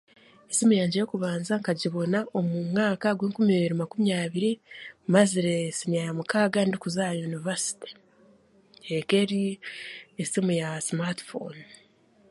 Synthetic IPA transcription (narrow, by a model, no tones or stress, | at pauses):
esimujaːɲɟiɾekuβaːnzaŋkaɟiβo̞naʔo̞mumŋaːkaɡweːŋkumieβiɾimakumijaːβiɾimaziɾesiniajamukaːɡandikuzajunivasi̥te̥ | eke̞ɾi | esimujasmatfo̰n